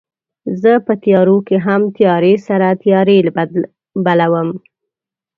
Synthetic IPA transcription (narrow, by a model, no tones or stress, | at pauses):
zəpət̪jɑɾokeɦamt̪jɑɾesaɾat̪jɑɾel | balawəm